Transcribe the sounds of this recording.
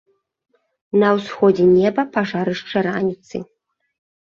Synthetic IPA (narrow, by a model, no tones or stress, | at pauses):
nɐwsxɔd͡zʲɛnʲɛbɐpaʐaɾɨʂt͡ʂɐɾanʲit̪sɨ̰